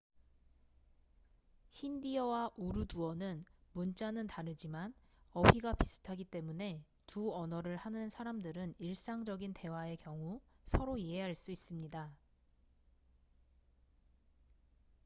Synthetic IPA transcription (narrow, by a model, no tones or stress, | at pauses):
çindiʌwaʔuɾuduʌnɯnmunt͡ɕ͈anɯntaɾɯd͡ʑimanʌɸiɡapisʰɯ̥tʰaɡit͈e̞mune̞ | tuʌnʌɾɯɭhanɯnsʰaɾamdɯɾɯniɭs͈aŋd͡ʑʌɡinte̞wae̞kjʌŋusʰʌɾoiɦeɦaɭs͈uis͈ɯmɲida